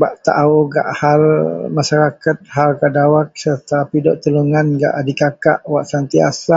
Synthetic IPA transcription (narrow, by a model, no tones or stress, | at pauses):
baʔt̪a̰ʔuɡa̰ʔhalmaʃaɾakat̪̚ɦalkadawak̚sərt̪apidɔʔt̪əluŋanɡa̰ʔdikaka̰ʔwaʔsant̪iasa